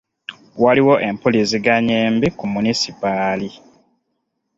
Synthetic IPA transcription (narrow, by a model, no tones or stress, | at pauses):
waliwo̞ʔe̞mpolisiɡaɲeːmbikumunisipali